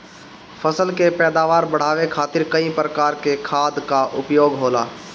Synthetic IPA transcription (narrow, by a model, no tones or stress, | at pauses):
fʰəsəlkepɛːd̪aːʋaːɾbəɽ̤aːʋekʰaːt̪ɪɾkəĩpɾəkaːɾkekʰaːd̪kaʔʊpjoːɡɦoːlaː